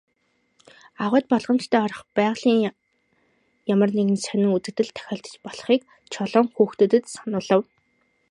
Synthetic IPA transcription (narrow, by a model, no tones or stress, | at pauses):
aʁʊːt̪̚pɔɮʁə̆mt͡ɕt̪ʰæːɔɾɞ̆χpæːʁɮiːŋ | jamə̆rneɣɘ̆nsœnɘ̆ŋut̪ɘ̆k̚t̪ɘ̆ɮt̪ʰæ̥xʲɔːɮɬt̪ə̥̆t͡ɕpɔɮ̆χiːk | t͡ɕʰɔɮɔːŋxuːxt̪ŭːt̪ɘ̆t̪sanʊːɮə̆w